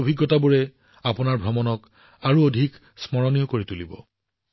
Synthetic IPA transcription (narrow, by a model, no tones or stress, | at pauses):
bʱiɡːɔtabuɹɛ | apunaɹbʱɔmɔnɔk | aɹuodʱik | smɔɹɔnijɔkoɹitulibɔ̰